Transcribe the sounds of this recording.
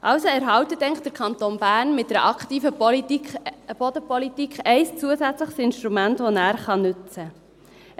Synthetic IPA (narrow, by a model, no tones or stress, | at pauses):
ʔɑwsoɛɾɦɑwtətːɛŋtd̥̪əɾkʰɑnt̪oːnb̥æːrnmɪt̚dɛɾəʔɑkχtiːfə | b̥odəpɔlitikχɛɪst͡suəsæt͡sləχsɪnʃt̪ɾumæntʋonæːɾχɑnʏt͡sə